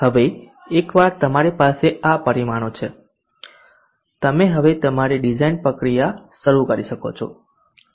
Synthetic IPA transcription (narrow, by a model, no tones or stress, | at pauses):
həʋe | ekʋaɾt̪əmaɾipaseapəɾimaɽ̃ot͡ʃʰe | t̪əmeɦəʋet̪əmaɾiɖid͡ʒainpɾəkɾijaʃəɾukəɾiʃəko̰t͡ʃʰo̰